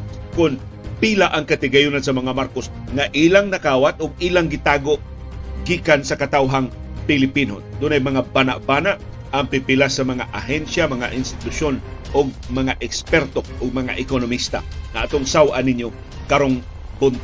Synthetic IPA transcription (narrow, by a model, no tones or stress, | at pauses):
kʊnpilaʔɐŋkɐt̪ɪɡɐjʊnansɐmɐŋamaɾkosŋaʔiːlaŋnɐkaːwat̪ʊɡ̚iːlaŋɡɪt̪aːɡoʔ | ɡiːkansɐkɐt̪awɦaŋpɪlɪpino̰d̪ʊnajmɐŋabana̰ʔbaːnaʔ | ɐŋpɪpɪlasːɐmɐŋaʔaɦɛnsamɐŋaʔɪnst̪ɪ̥t̪ʊʃonʔoɡ̚mɐŋaʔɛkspɛɾt̪oʔʊɡ̚mɐŋa̰ʔɪkonomist̪a̰ŋɐat̪oŋsawʔanɪnjo | kaɾoŋ | bʊnt̪